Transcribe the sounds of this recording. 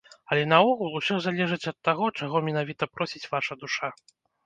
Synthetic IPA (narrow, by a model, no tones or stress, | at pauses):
ɐlʲɛnɐɔɣulˠusʲɔzalʲɛʐɨt͡sʲɐt̪ːaɣɔt͡ʂaɣɔmʲɛn̪avʲit̪ɐpɾɔsʲit͡sʲvaʂɐd̪uʂa